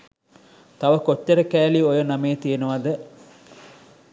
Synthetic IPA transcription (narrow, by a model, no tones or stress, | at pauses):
t̪aʋəkotːəɾəkæːliojənameːt̪ijenəʋad̪ə